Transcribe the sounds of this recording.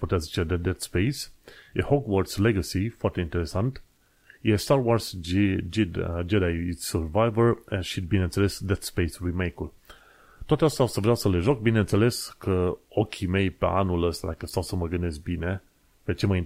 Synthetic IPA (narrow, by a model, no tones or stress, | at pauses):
pɔt̪azit͡ʃɛd̪ɛd̪ɛt̪spejsehoɡwɔɾsleɡəsifwaɾt̪eint̪eɾesant̪ | jɛst̪aɾwaɾsd͡ʒd͡ʒed̪ajsəɾvajvəɾɛnʃid̪̚binẽnt̪selesd̪ɛt̪spejswimejkul | t̪wat̪ast̪awsəvɾjawsəleʒok̚binent̪seleskʰəokʲʰimejpḛa̰nuləst̪la̰jkəst̪awsəməɡənesbine | pet͡ʃemajin